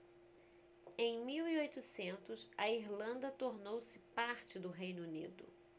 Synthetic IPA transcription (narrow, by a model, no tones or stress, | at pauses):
ẽj̃miwiojt̪ʊsẽnt̪ʊsɐiɾlɐ̃nd̪ɐt̪oɾnowsɪpaɾt͡ʃɪd̪ʊɦejnunid̪ʊ̰